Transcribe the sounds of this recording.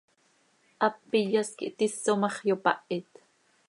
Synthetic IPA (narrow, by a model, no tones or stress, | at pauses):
ʔɑpːijɑskḭʔt̪isːomɑχjopɑ̰ʔit̪